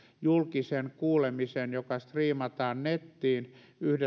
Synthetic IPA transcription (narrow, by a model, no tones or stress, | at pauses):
julkisenkuːlemisenjokɑst̪riːmɑt̪ɑːnnet̪ːiːn | yhde